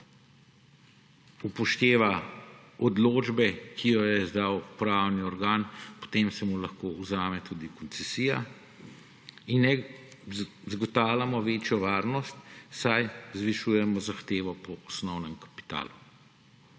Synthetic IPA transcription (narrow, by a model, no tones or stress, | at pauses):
upɔʃt̪eːʋa | ɔd̪loːd͡ʒbɛkʰijɔjɛzd̪awpɾawniɔɾɡaːnpɔ̥t̪emsɛmulaxkoːuzaːmɛt̪uːd̪ikɔnsɛsiːja | inːɛ | zɡɔt̪aːwlʲamɔʋeːt͡ʃjɔʋaːɾnɔst̪sajzʋiʃuːjɛmɔzaxt̪eːʋɔpɔɔsnɔwnɛmkḁpi̥t̪a̰ːlu